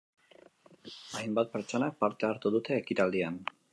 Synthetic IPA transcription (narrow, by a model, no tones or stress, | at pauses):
ajmbat̪̚peɾt͡ʃo̞nak̚paɾt̪eaɾt̪uðut̪e̞ːkit̪ald̪ian